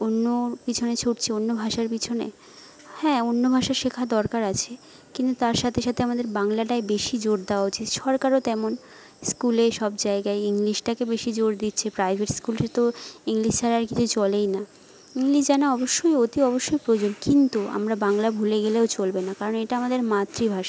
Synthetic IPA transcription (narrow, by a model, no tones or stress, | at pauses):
onːopit͡ɕʰonet͡ɕʰoʈt͡ɕʰeonːobʱaʃaɾpit͡ɕʰonḛ | hɛ̃onːobʱaʃaɾʃekʰad̪ɔɾkaɾat͡ɕʰe | kint̪ut̪aɾʃat̪ʰeʃat̪ʰeamad̪eɾbaŋlaʈaebeʃid͡ʑoɾd̪eoaot͡ɕit̪ʃɔɾkaɾot̪ɛmon | skuleʃɔbd͡ʑaeɡaeiŋliʃʈakebeʃid͡ʑoɾd̪it̪ːɕʰepɾajbʱeʈskulet̪oiŋliʃt͡ɕʰaɾaɾkit͡ɕʰut͡ɕɔlejna | iŋliʃd͡ʑanaɔboʃːojot̪iɔboʃːojpɾod͡ʑonkint̪ua̰mɾabaŋlabʱuleɡeleot͡ɕolbenakaɾoneʈaamad̪eɾmat̪ːɾibʱaʃa